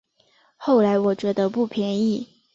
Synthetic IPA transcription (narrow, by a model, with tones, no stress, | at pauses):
xo˥˩ʊla˧˥ɪwɔ˨˩t͡ɕɥɛ˧˥d̪ə˧pu˥˩pʰjɛ˧˥ni˥˩